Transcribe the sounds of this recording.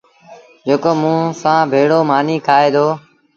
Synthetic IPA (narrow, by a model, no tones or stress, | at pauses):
d͡ʒoːkoːmũːsãːbʱeːɽoːmaːniːkʰaːeːd̪oː